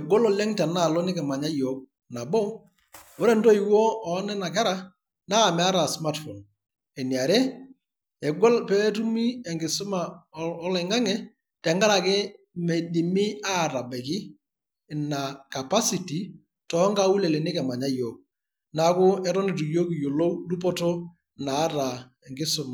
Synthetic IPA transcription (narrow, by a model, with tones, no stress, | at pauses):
ɛ˨ɡɔ˦lɔ˨lɛ˦ŋtɛ˨na˦˨lɔ˦nɪ˦kɛ˨ma˨ɲa˦jɔ˨˦k̚ | na˨bɔ˦ | o˦ɾɛ˦˨ndɔ˦i˨wɔ˦ɔ˨˦nɛ˦na˨kɛ˦ɾa˦ | naː˦˨mɛ˨a˦ɾa˨sma˦tfɔ˨n | ɛ˨nja˨ɾɛ˦ | ɛ˨ɡɔ˦lpɛ˦tu˦mi˦ɛ˨ŋɡɪ˨sʊ˦ma˨ɔ˦lɛ˨ŋa˦ŋɛ˦ | tɛ˨ŋɡa˦ɾa˨kɛ˦ | mɛ˨di˨mɪ˦a˦˨ɾa˨bɛ˨kɪ˦˨ | na˨ka˨pa˦si˨ti˨ | tɔ˨˦ŋɡa˦u˦lɛ˨le˨nɪ˦kɛ˨ma˨ɲa˦jo˨ | na˨˦kʊ˦ɛ˦ɾɔ˦ni˨tu˨jo˦ki˨jo˨lo˦wdu˦pɔ˦tɔ˦ | naː˨˦ta˨ | ɛ˨ŋɡɪ˦sʊ˦ma˨